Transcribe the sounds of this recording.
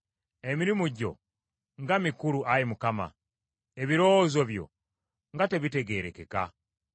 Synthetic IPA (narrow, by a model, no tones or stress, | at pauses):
emiɾimuɟo̞̰ | ŋɡamikuluʔajimukama̰ | eβiɾozo̞βjo̞̰ | ŋɡate̞βite̞ɡe̞ːɾe̞ke̞ka̰